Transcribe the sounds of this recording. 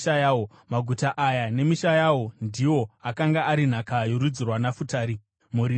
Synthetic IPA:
ajawo | maɡʱutaʔajane̞miʃajawo̞ndiwo̞akaŋɡaʔaɾin̤akajoɾud͡zirwanafutaːɾi | muɾi

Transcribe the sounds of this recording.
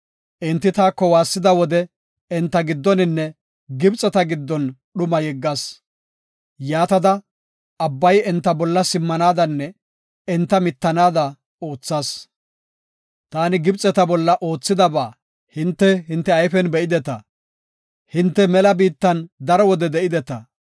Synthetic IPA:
ʔɪnt̪ːɪt̪aːkːɔwaːsːɪd̪ɐwɔd̪ɛ | ɛnt̪ːɐɡɪd̪ːɔnɪnːɛ | ɡɪbt͡sʼɛt̪ɐɡɪd̪ːɔn | ɗʊmɐjɛɡːɐs | jaːt̪ɐd̪ɐ | ɐbːɐjɛnt̪ːɐbɔlːɐsɪmːɐnaːd̪ɐnːɛ | ɛnt̪ːɐmɪt̪ːɐnaːd̪ɐ | o̞ːt͡sːaːs | t̪aːnɪɡɪbt͡sʼɛt̪ɐbɔlːɐʔo̞ːt͡sːɪd̪ɐbaː | hɪnt̪ːɛɦɪnt̪ːɛɐjfɛnbɛʔɪd̪ɛt̪ɐ | hɪnt̪ːɛmɛlɐbiːt̪ːɐnd̪ɐɾɔwɔd̪ɛd̪ɛʔɪd̪ɛt̪ɐ

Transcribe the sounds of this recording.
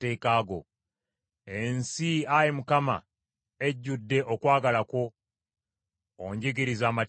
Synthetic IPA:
e̞ːkaːɡo̞̰ | ensiajimukama̰ | e̞ɟːudːe̞ʔokwaːɡalakwo̞ | ɲɟiɡiɾizaːma

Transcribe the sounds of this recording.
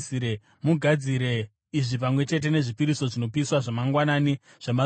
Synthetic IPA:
siɾe | muɡʱad͡ziɾe̞ | iʐipamwe̞t͡ʃe̞t̬e̞ne̞ʐipiɾiso̞ʐino̞piswaʐamaŋɡwanaːni | ʐ̥ama

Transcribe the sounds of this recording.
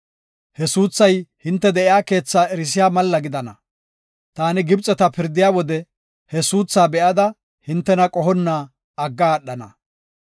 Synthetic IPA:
hɛsuːt͡sːɐjhɪnt̪ːɛd̪ɛʔɪjaːke̞ːt͡sːaːɛɾɪs̬ɪjaːmɐlːɐɡɪd̪ɐnɐ̰ | t̪aːnɪɡɪbt͡sʼːɛt̪ɐpɪɾd̪ɪjaːwɔd̪ɛ | hɛsuːt͡sːaːbɛʔɐd̪ɐ | hɪnt̪ːɛnɐkʼɔɦɔnːaː | ɐɡːaːɗːɐnɐ̰

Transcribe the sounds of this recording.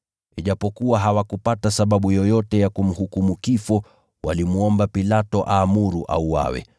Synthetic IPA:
iʄapɔkuwaɦawakupatasaɓaɓujɔjɔtɛjakum̩hukumukifɔ | wa̰limuɔmbapilatɔʔaːmuɾuʔa̰uwa̰wɛ̰

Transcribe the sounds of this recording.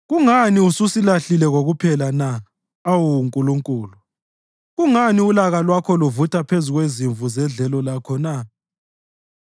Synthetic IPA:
ɣuŋaniususilaɬilɛɣoɣupʰɛlana | awuŋkʼuluŋkʼuːlu | ɣuŋaniulaɣalwakʰɔluvutʰʼapʰezuɣweziɱvuzɛɮɛlɔlakʰɔna

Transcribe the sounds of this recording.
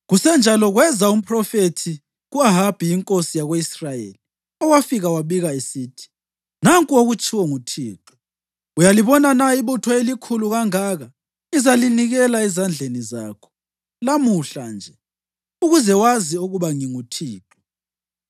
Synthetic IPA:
ɣusɛnd͡ʒʱalɔɣwɛzaum̩pʰʼrɔfetʰi | ɣuaɦab̥ʱijiŋkʼosijaɣweisrajḛli | ɔwafiɣawaβiɣaesiːtʰi̥ | naŋkʼuoɣut͡ʃʰʼiwɔŋutʰiːtʰu̥ | ujaliβɔnanaiβutʰɔelikʰuluɣaŋaɣa | izaliniɣɛlaɛzand͡ɮʱeniza̰ːkʰɔ̥ | lamuɬand͡ʒʱɛ | uɣuzɛwaziuɣuβaŋiŋutʰiːtʰʼɔ̥

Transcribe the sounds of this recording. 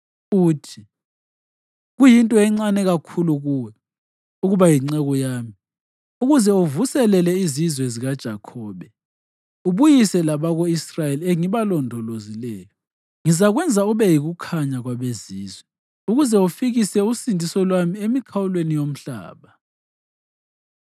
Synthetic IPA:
uːtʰi | ɣujintʼɔɛŋ͡ǀanɛɣakʰuluɣuwɛ | uɣuβajiŋ͡ǀɛɣɔjaːmi | uɣuzɛuvusɛlɛlɛizizwɛziɣad̥ʒ̥ʱakʰɔːβɛ | uβujisɛlaβaɣɔisrajelieŋiβalɔndʱɔlozilɛːjɔ | ŋizaɣwɛnd͡zʱauβɛjiɣukʰaɲaɣwaβeziːzwɛ | uɣuzɛufiɣisɛusindʱisɔlwamiemikʰawulwenijom̩ɬa̰ːβa

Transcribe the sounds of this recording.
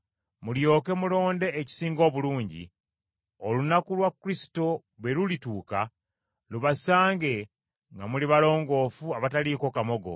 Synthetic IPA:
muljo̞ːke̞mulo̞ːnde̞ːci̥siːŋɡo̞ːβuluːɲɟḭ | olunakulwakːuɾisi̥to̞ | βe̞lulituːka | luβasaːŋɡe̞ | ŋɡamuliβalo̞ːŋɡo̞ːfuaβataliko̞kamo̞ɡo̞̰

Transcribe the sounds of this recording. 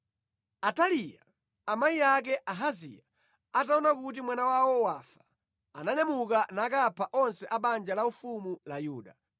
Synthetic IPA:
atalija̰ː | maijak̬ɛʔaɦazḭja | ataɔnakut̬imwanawawɔwafḁː | naɲamukanaːkapʰaʔɔnsɛʔaɓand͡ʒalaufumulajuːɗa

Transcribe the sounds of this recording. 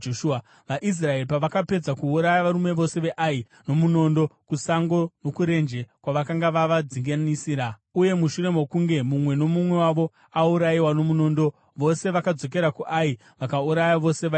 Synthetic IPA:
oʃua | ʋaʔis̬rae̞ripaʋakape̞d͡zakuːɾajaʋaɾume̞ʋo̞se̞ʋe̞ʔai | no̞muno̞ndo̞kusaŋɡo̞no̞kuɾe̞nd͡ʒe̞kwaʋakaŋɡaʋaʋad͡ziŋɡanisiːɾa | uje̞muʃuɾe̞mo̞kuŋɡe̞mumwe̞no̞mumwe̞waʋo̞ | auɾaiwano̞muno̞ːndo̞ | ʋo̞se̞ʋakad͡zo̞k̬e̞ɾakuʔai | ʋakauɾajaʋo̞se̞ʋa

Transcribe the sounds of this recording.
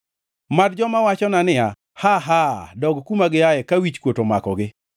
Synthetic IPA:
madd͡ʒɔmawat͡ʃɔnanɪa | haɦadɔɡkumaɡɪajɛkawit͡ʃkwotoma̰kɔɡɪ

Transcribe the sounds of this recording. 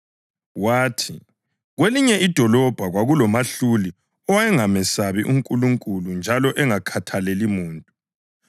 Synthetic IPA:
waːtʰi | ɣweliɲɛʔid̥ʱɔlɔb̥ʱaɣwaɣulɔmaɬuli | ɔwajɛŋamɛsaβiʔuŋkʼuluŋkʼulund͡ʒʱalɔʔɛŋakʰatʰalelimuːntʼu

